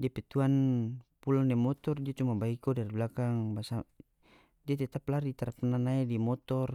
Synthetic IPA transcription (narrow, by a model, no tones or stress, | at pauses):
diapɛt̪uanpulɔnemɔt̪ɔrdiat͡ʃumabaikɔdaɾibulakaŋbasa | diat̪ɛt̪aplarit̪aɾapananaidimɔt̪ɔr